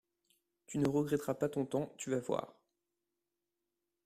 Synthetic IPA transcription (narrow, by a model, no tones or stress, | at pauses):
t̪ynəʁəɡʁɛt̪χapat̪ɔ̃t̪ɑ̃t̪yvavwa̰ːʁ